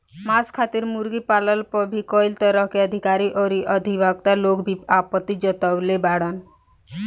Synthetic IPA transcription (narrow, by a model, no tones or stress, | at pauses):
maskʰat̪iɾmuɾɡipaləlpɔbʱikɔjlt̪əɾəɦkeəd̪ʱikaɾiʔɔɾiʔəd̪ʱibaɡ̚t̪aloɡbʱiapət̪ːid͡ʒət̪əwlebaɽən